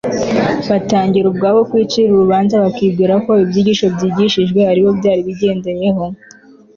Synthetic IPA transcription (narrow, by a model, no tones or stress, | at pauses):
βataːɲɟiɾubɡaːβo̞kwiːt͡ʃiɾuɾuβaːnzaβakiːbɡiːɾakoibjiːɟiːʃo̞bjiːɟiʃiʒɡwe̞haɾiβo̞bɟaːɾiβiɟe̞ːnde̞je̞ɦo̞